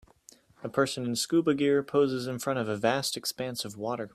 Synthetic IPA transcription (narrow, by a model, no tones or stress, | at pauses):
əpʰɜ˞sɨ̃nɨ̃nskubɨɡɪɹpʰoʊzɨzɨ̃nfɹʌ̃ɾ̃ʌvəvæstɨkspæ̃nsʌvwɔɾə˞